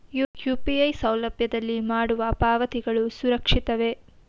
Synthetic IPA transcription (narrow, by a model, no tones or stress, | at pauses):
jujuːpiɐjsɐwlɐbjɐd̪ɐlːimaːɽuʋɐpaːʋɐt̪iɡɐɭusuɾɐkʂit̪ɐʋe